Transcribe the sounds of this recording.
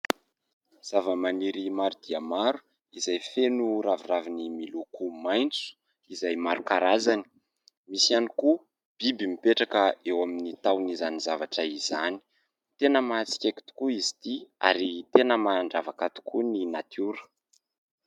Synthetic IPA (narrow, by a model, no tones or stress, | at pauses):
z̥avəmaniɾimaɾud̪iamaɾu̥ | izajfenuɾaviravinimilukumajnt͡su̥ | izajmaɾukaɾazani̥ | misianiku | b̥ibimipeʈ͡ʂakəewaminit̪awnizanizavaʈ͡ʂəizani̥ | t̪enəmaat͡si̥kʲeki̥t̪u̥kuizi̥t̪ia̰ɾit̪enəmaaɳɖ͡ʐavakat̪u̥kʰuninat̪ʰuɾə̥